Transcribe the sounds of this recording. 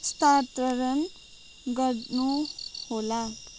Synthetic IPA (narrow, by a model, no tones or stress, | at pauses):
st̪aɾt̪əɾʌn | ɡʌɾnuhola